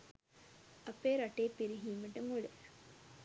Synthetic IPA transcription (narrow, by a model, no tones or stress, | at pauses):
ɐpeːɾaʈeːpːiɾiɦiːməʈəmule